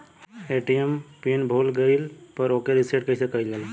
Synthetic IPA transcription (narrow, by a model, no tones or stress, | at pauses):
eʈijempinbʱoːlɡəɪlpəɾoːkeɾiseʈkəɦisekəilɡel